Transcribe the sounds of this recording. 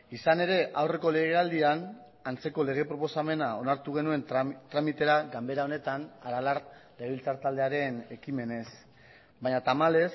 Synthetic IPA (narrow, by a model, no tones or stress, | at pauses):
isane̞ɾe̞ʔawre̞ko̞le̞ɣ̞e̞ald̪ian | ant͡se̞ko̞le̞ɣ̞e̞pɾo̞po̞same̞nao̞naɾt̪uɣ̞e̞nue̞nt̪ɾamit̪e̞ɾaɡambe̞ɾao̞ne̞t̪anaɾalarleɣeilt͡saɾt̪ald̪e̞aɾe̞ne̞kime̞ne̞s | baɲat̪amale̞s